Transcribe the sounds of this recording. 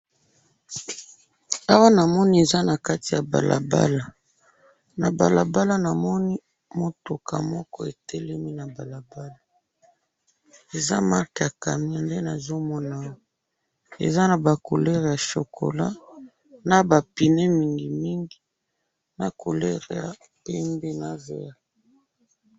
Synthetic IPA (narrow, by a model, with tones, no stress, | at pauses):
a˦wa˦na˨mɔ˦ni˦e˨za˦na˨ka˦ti˨ja˨ba̰˨lʔa̰˨ba̰˦la˨ | na˨ba̰˨la̰˨ba˦la˦na˨mɔ˦ni˦ | mo˨to˨kʰa̰˨mɔ˦kɔ˦e˨tʰɛ˦lɛ˦mi˦na˨ba˨la˨ba˦la˨ | e˨za̰˦ma˦kja˨ka˨mi˦a˨nde˦na˨zo˦mɔ˦na˦˨˦ | ḛ˨za˦na˨ba˨ko˨lɛ˦ʁja˨ʃo˨kʰo̰˨la˦ | na˨ba˨pi˨ne˦mi˦ŋɡi˨mi˦ŋɡi˨ | na˨ko˨lɛ˦ʁe˨ja̰˨ | pɛ˦mbe˦na˦vḛ˨a˨